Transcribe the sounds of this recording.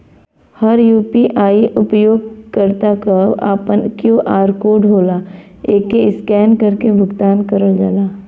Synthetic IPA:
hɐɾjuːpiʔaːiʔʊpjoːɡ̚kəɾt̪akɐa̰ːpənkjoːʔaːɾkoːɖʱɦoːlaː | eːkeɪskɛːnkɐɾkebʱʊɡt̪aːnkɐɾəld͡ʒaːlaː

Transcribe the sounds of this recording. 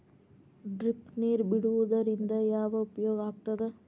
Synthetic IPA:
ɖɾipniːɾbiɽuʋud̪ɐɾind̪ɐjaːʋɐupjoːɡaːɡ̚t̪ɐd̪e

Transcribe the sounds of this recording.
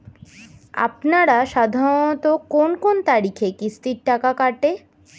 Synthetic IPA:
a̰pnaɾaʃad̪ʱaɾot̪okonkont̪aɾikʰekist̪iɾʈakakaʈe

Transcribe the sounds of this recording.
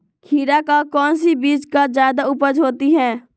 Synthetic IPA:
kʰiːɾakakɔːnsibiːd͡ʒkad͡ʒjaːd̪aʊpəd͡ʒɦoːt̪iɦɛ̃ː

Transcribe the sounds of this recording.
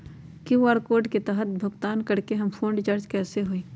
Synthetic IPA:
kiaːɾkoːɾɖket̪ɛɦət̪̚bʱʊɡt̪aːnkɐɽkeɦɐmfʰõːɳɖɪt͡ʃaːɾd͡ʒkɛːseɦoeː

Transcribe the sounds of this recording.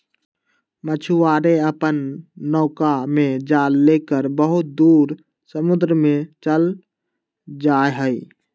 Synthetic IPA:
mət͡ʃʰuaːɾeəpənːɔːkamẽd͡ʒaːlːekəɾbəɦʊt̪̚d̪uːɾ | səmʊd̪ɾəmẽt͡ʃəl | d͡ʒaeɦəi

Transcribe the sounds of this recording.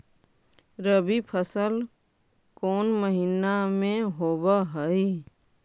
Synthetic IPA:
ɾəbipʰəsəl | koːnməɦinamẽɦoːbaɦəi

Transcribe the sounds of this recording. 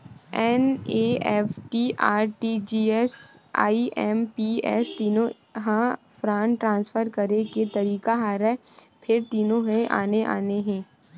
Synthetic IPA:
ɛːneːɛfʈiʔaːɾʈid͡ʒiːɛs | a̰ːiʔɛːmpiːɛːst̪iːnõ | ɦã | fɾãːɳʈʈɾãːnsfəɾkɐɾeket̪ɐɾiːkaɦaːɾɛːpʰɪɾt̪iːnõɦɛ̃ʔa̰ːneʔa̰ːneɦɛ̃ː

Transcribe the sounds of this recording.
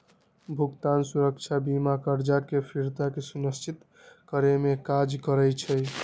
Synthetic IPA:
bʱuɡt̪ansuɾək̚t͡ʃʰabimakəɾd͡ʒakepʰiɾt̪akesunəst͡ʃit̪ | kəɾemekad͡ʒkəɾɛjt͡ʃʰəj

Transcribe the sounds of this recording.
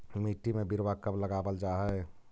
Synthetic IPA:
miʈːimebiɾbakəbləɡabəld͡ʒaɦɛ

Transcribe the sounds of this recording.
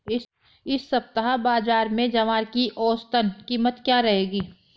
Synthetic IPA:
ɪsːɐp̚t̪əɦabaːzaːɾmẽd͡ʒɐʋaːɾkiʔɔːst̪ənkiːmət̪kjaːɾɐɦeːɡiː

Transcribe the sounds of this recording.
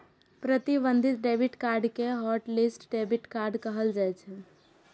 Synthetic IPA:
pɾət̪ibənd̪ʱit̪̚ɖebiʈkaɾɖkeɦɔʈlisʈɖebiʈkaɾɖkəɦəld͡ʒaɛt͡ʃʰɛ

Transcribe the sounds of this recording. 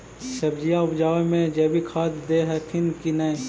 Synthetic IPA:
sɐbd͡ʒijaʊbd͡ʒaːʋemẽd͡ʒɐːbʱikʰaːt̪d̪eɦət̪ʰɪnkinaẽ

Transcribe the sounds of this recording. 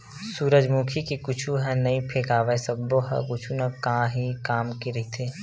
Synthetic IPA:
suːɾəd͡ʒmukʰikikʊt͡ʃʰuɦɛ̃nɐĩpʰeːkaːʋəesəbːoɦɛ̰kʊt͡ʃʰunɐkaãɦikaːmkiɾɦit̪ʰeː

